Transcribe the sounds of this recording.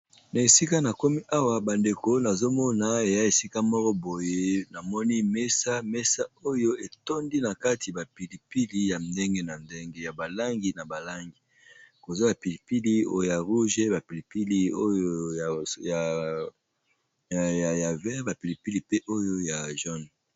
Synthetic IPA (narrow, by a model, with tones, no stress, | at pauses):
na˨e˨si˦ka˦na˨ko˦mi˦ʔa˦wa˦ba˨nde˨ko˦na˨zo˦mɔ˦na˨e˨ja˦e˨si˦ka˦mɔ˦kɔ˦bo˨je˦na˨mɔ˦ni˦me˦sa˦me˦sa˦o˦jo˦e˨to˦ndi˦na˨ka˦ti˨ba˨pi˨li˨pi˦li˦ja˨nde˦ŋɡe˦na˨nde˦ŋɡe˦ja˨ba˨la˦ŋɡi˨na˨ba˨la˦ŋɡi˨ | ko˨za˦ba˨pi˨li˨pi˦li˦o̰˦jo˦ja˨ʁu˦ʒe˦ba˨pi˨li˨pi˦li˦o˦jo˦jja˨ | ja˨ja˨vɛ˦ba˨pi˨li˨pi˦li˨pe˦ʔo˦jo˦ja˨ʒɔ˦n